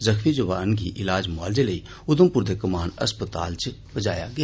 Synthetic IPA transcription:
zəkʰmid͡ʒoʋaːənɡiʔɪlaːd͡ʒmaːld͡ʒelɐi | ʊd̪əmpʊɾd̪ʱekɐmaːnɐ̰spət̪a̰ːlt͡ʃbəd͡ʒa̰ːja̰ɡɐja

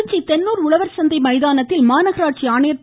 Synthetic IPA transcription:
t͡ʃːit̪ɛnːuːɾʊɭɐʋɐɾsɐnd̪ɐɪmɐɪðaːnɐt̪ːɪlmaːnɐɣɐɾaːʈ̚t͡ʃiaːnɐjɐɾ

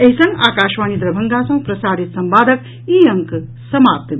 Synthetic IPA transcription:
eɦisɐ̃ŋɡaːkaːʃʋaːnid̪ɾɐbʱɐŋɡaːsɐ̃ŋɡ̚pɾɐsaːɾit̪sɐmbaːd̪ʱɐk | iːɐŋk | sɐmaːp̚t̪

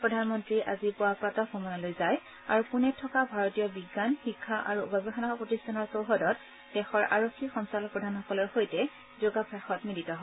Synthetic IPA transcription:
pɹɔdʱanmɔntɹiʔazipʊwapɹatɔxʰɔmɔnalojzaj | a̰ɹupunɛtʰːɔkabʱaɹɔtijɔbiɡːanxikʰːaʔa̰ɹuo̰ɡabixʰanaxɔpɹotistʰanɔɹsowɦɔdɔt | d̥ɛxɔɹʔa̰ɹokʰːixɔŋsalɔkpɹɔdʱanxɔkɔlɔɹxojtɛ | zoɡapʰɹaxɔtmilitɔɦɔ

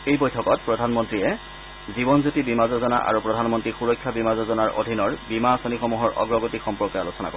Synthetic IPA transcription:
ejbojtʰɔkɔt̚pɹɔdʱanmɔntɹiɛ | zibɔnzutibimazɔzɔna̰ʔa̰ɹupɹɔdʱanmɔntɹixuɹɔkʰːjabimazɔzɔnaɹʔo̰dʱinɔɹbimasɔnixɔmuɦɔɹɔ̰ɡɹɔɡotikxɔmpɔkɔalusɔna̰ko

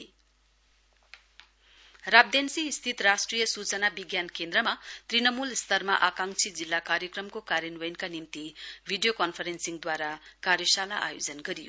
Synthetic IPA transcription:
rab̚d̪ensiːst̪ʰit̪rasʈrijʌsut͡sʌnabiɡjankend̪ɾʌmat̪rinʌmulst̪ʰʌrmaʔakaŋt͡sʰid͡zilːakaɾjʌkrʌmkokaɾenwʌjnkanimt̪ibʱiɖijokʌnpʰʌɾensiŋd̪waɾakaɾjʌsalaʔa̰jod͡zʌnɡʌɾijo̰

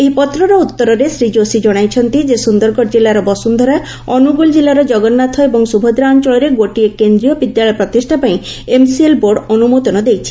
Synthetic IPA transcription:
eɦipɔt̪ɾɔɾɔut̪ːɔɾɔɾesɾid͡ʒosid͡ʒɔɽ̃ajt͡ʃʰɔnt̪id͡ʒesund̪ɔɾɡɔɾd͡ʒilːaɾɔbɔsund̪ʱɔɾa | ɔnuɡuld͡ʒilːaɾɔd͡ʒɔɡɔnːat̪ʰɔebɔŋsubʱɔd̪ɾaɔnt͡ʃɔɭɔɾeɡoʈiekend̪ɾijɔbid̪jaɭɔjɔpɾɔt̪isʈʰapaĩemsielboɾɖɔnumod̪ɔnɔd̪ejt͡ʃʰi̥

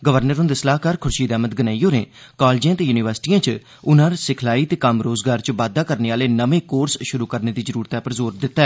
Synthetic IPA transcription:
ɡəʋəɾnəɾõːnd̪esəlaːɦkaːɾkʰʊɾʃiːd̪ɛːmət̪ɡənaːijoːɾẽː | kaːlːd͡ʒijãːt̪eːjuːnɪʋəɾsɪ̥ʈijãːt͡ʃ | ʊnãːɾasɪkʰlaːiːt̪eːkəmɾoːzɡaːɾt͡ʃəʋaːd̪aːkəɾneːaːleːnəʋẽːkoːɾsʃʊɾuːkəɾneːd̪iːzəɾuːɾt̪aːpəɾzoːɾd̪ɪt̪ːaːɛː

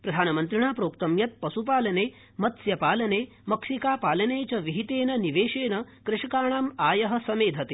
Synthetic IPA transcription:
pɾɐd̪ʱaːnɐmɐnt̪ɾiɳaːpɾoːkt̪ɐmjɐt̪̚pɐsupaːlɐneː | mɐt̪sjɐpaːlɐneː | mɐkʂikaːpaːlɐneːt͡ʃɐʋiɦit̪eːnɐniʋeːʂeːnɐkɾɪʂɐkaːɳ̃aːmaːjɐɦɐ̆sɐmeːd̪ʱɐt̪e

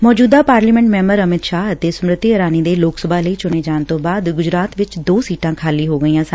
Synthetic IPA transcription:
mɔːd͡ʒuːd̪aːpaːɾliːmɛ̃ɳʈmɛ̃ːmbəɾəmɪt̪ʃaːɦət̪eːsʊmɾət̪ːiəɾaːniːd̪eːloːksəbʱaːləiːt͡ʃʊɳ̃eːd͡ʒaːɳt̪õːbaːd̪ɡʊd͡ʒɾaːt̪ʋɪt͡ʃd̪oːsiːʈãːkʰaːliːɦoːɡəiːãːs

